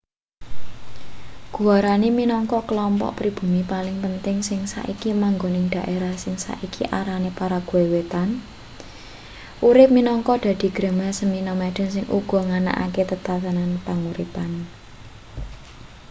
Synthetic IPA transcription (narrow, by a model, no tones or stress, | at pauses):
ɡ̥uaɾaniminɔŋkɔkəlɔmpɔ̰ʔpɾib̥ṳmipalɪŋpənt̪ɪŋsɪŋsa̰ʔikimaŋɡonɪŋd̪̥a̤ʔeɾahsɪŋsa̰ʔikḭʔaɾanepaɾaɡ̥uewet̪an | ʔuɾɪp̚minɔŋkɔd̪̥a̤d̪̥i̤ɡ̥ɾə̤masəminɔmeɖ̪̥ə̤nsɪŋʔṵɡ̥ɔ̤ŋana̰ʔa̰ket̪ət̪at̪ənanpaŋuɾḭpan